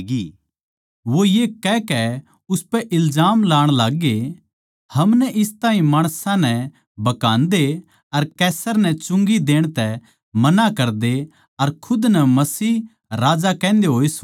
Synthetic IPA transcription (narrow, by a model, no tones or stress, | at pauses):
ɡiː | ʋojeːkɛkɛ | ʊspɛʔɪlzaːmlaːɽ̃laːɡːe | hɐmnɛʔɪst̪aːɦĩmaːɽ̃sãnɛ | bɐkãːnd̪e | ɐɾkɛːsəɾnɛt͡ʃʊ̃ŋɡid̪eːɽ̃t̪ɛ | mɐnakɐɾd̪e | ɐɾkʰʊd̪nɛmɐsiː | ɾaːd͡ʒakɛ̃ːnd̪eɦoːis